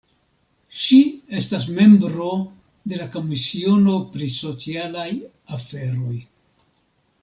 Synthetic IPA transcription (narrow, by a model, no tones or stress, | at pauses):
ʃie̞stas̬me̞mbɾo̞ | de̞lako̞misio̞no̞pɾiso̞t͡sialaj | afe̞ɾo̞j